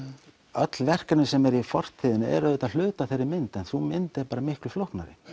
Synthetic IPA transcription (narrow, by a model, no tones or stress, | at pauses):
œt̪lvɛr̥kaɾnɪsɛmɛɾifɔr̥t̪ʰɪðɪnɪɛ̰ɾœðʏt̪al̥ʏːt̪aθejɾːɪmɪnt̪ɛnθumɪnt̪ɪpaːɾamɪhklʏflɔhknaɾɪ̰